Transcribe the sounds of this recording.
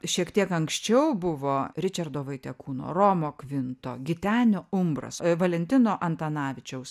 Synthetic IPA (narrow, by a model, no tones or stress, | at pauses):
ʃʲiɛkt̪ʲiɛkɐŋksʲt͡ʃʲɛʊbʊʋoːɾʲɪt͡ʃʲɐrd̪oːʋɐɪt̪ʲɛkuːno̰ːɾoːmoːkʋʲɪnt̪o̰ːɡʲɪt̪ʲæːnʲoːʊmbrɐ̰sʋɐlʲɛnʲt̪ʲɪnoːʔɐnt̪ɐnɑːʋʲɪt͡ʃʲɛʊs